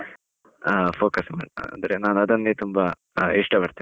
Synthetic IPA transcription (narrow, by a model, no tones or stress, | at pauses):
pʰoːkɐsma̰ːɽ̰nd̪ɾenaːnɐd̪ɐnːet̪umbɐ | iʂʈɐbɐɾt̪i